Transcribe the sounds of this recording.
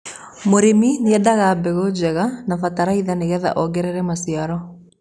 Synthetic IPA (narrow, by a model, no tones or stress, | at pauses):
moɾemineɛdaɣabɛɣod͡ʑɛɣanafataɾaiðaneɣɛða̰ʔɔɡɛɾɛɾɛmasiaɾɔ